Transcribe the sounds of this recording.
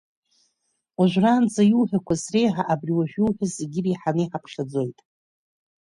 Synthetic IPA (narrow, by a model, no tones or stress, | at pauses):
aʒʷᶣraːnd͡zajuwħʷᶣakʷʰasre̞jħaʔabriwaʒᶣjuwħʲʷᶣazeɡʲɪriħanɨjħapʰχʲad͡zo̞jtʼ